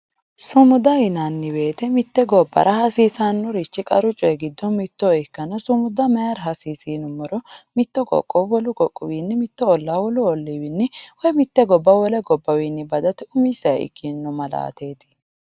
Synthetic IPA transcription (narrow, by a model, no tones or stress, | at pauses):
sʊmʊd̪ɐɪnanːɪbe̞ːt̪ɛmɪt̪ːɛɡɔbːɐ̰ɾʔɐhɐsiːsanːʊɾɪt͡ʃːɪkʼɐɾʊt͡ʃʼɔjɛɡɪd̪ːɔmɪt̪ːɔɪkːɐnɐsʊmʊd̪ɐmɛjɐɾɦɐsiːsiːnʊmːɔɾɔmɪt̪ːɔkʼɔ̰kʼːɔwɔlʊkʼɔkʼːʊ̰wiːnːɪmɪt̪ːɔɔlːawɔlʊɔlːiwɪnːɪwɔjmɪt̪ːɛɡɔbːɐwɔlɛɡɔbːɐwiːnːɪbɐd̪ɐt̪ɛʊmɪsɐj̰ɪ̰kʰːinːʊmɐla̰ːt̪eːt̪ɪ̥